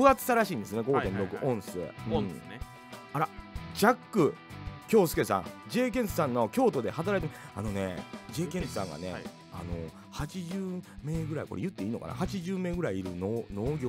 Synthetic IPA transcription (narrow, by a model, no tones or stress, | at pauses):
ɸɯat͡sɨ̥saɾaɕĩːnd̪esɨneɡo̞t̪ẽnɾo̞kɯ̟ʔõ̞ɰ̃sḛːɯ̟̃ɴ | aɾad͡ʑakːɯ̟kʲo̞ːsɨ̥kesã̰ŋd͡ʑe̞ːk̬ẽnsɨ̥sãnːo̞kʲo̞ːt̪o̞d̪e̞hat̪̬aɾait̪emi | a̰no̞ne̞̰d͡ʑe̞ːkẽsɨ̥sã̰ŋɡa̰ne̞̰ | a̰no̞ | hat͡ɕiʑɨːme̞ːɡɯ̟ɾaḭko̞ɾḛjɯ̟t̪ːe̞iːno̞ka̰na̰hat͡ɕiʑɨːme̞ːɡɯɾaiːɾɯ̟nono̞ːɡʲo